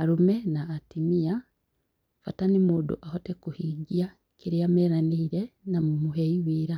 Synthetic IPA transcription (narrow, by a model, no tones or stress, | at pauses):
aɾumenaːtimia | fatanimudṵʔahotekuhiɡia | kiɾiameɾaniiɾenamumuɦeiwiːɾa